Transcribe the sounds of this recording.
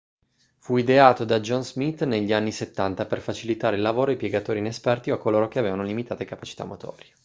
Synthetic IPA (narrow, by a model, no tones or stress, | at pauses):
fuid̪eaːt̪od̪ad͡ʒɔnzmit̪ːneʎːianːiset̪ːant̪aperfat͡ʃilit̪aːɾeilːavoːɾoipjeɡat̪oːɾinespɛrt̪ioakːoloːɾok̟eaveːvanolimit̪aːt̪ekapat͡ʃi̥t̪a̰mːot̪ʰɔ̰ːɾje